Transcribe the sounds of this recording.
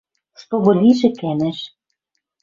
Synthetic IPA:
ʃt̪oβɤ̆lʲiʒɘ̆kænæ̆ʃ

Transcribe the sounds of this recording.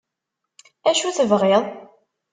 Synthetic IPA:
æʃuθəvʁɪðˤ

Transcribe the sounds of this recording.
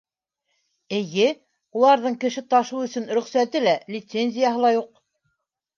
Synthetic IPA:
ɘ̆jɘ | ulˠɑɾðɤɴkɘ̆ʃɘt̪ɑʃuɵ̆sɵnɾɵ̆χsæt̪ɘlælʲɪt̪senʲzʲɪjaɦɤlˠɑjuq̚

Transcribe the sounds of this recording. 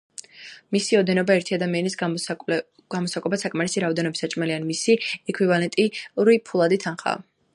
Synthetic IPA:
misiɔd̪ɛnɔbaɛɾt̪ʰiad̪amianisʼ | ɡ̥amɔsakʼɔɛbasakʼmaɾisiɾaɔd̪ɛnɔbisat͡ʃʼmɛlianmisiɛkʰwivalɛnt̪ʼiɾipʰulˠad̪it̪ʰanχa̰

